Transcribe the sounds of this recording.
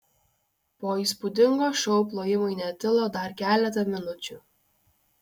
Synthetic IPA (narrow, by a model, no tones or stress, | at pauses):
poːiˑspʊd̪ʲɪŋɡoːʃʲɔʊp̬lˠoːjɪmʊɪnʲɛt̪ʲɪlˠoːd̪ɐɾkʲæːlʲɛt̪̬ɐmʲɪnʊt͡ʃʲʊˑ